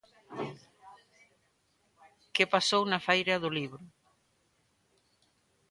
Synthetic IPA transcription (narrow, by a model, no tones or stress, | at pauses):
kɪpasownɐfajɾɐðʊliβɾʊ